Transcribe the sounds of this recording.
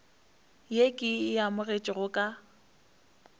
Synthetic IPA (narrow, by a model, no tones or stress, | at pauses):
jekʼɪjamʊret͡ʃʼɪɣʊkʼa